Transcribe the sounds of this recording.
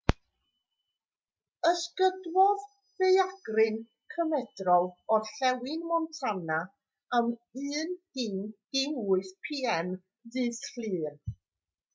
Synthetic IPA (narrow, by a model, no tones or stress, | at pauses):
əskədwɔð | vejaɡ̥rɨn | kʰəmɛdrɔlˠɔɬɛwɪnmɔntʰana | amɨːnd̥ɪnd̥ɪwʊɨθpʰiːɛm | ðɨsɬlɨːr